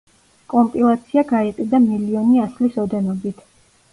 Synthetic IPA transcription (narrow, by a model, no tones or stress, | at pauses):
kʼɔmpʼilˠat̪sʰiaɡaiqʼid̪amiliɔniaslisɔd̪ɛnɔbit̪ʰ